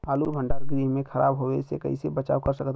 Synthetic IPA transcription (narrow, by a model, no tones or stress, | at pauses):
aːlubʱə̃ɳɖaːɾɡɾiːɦmẽkʰəɾa̰ːbɦoesekə̰isebət͡ʃa̰ːʋkəɾsəkt̪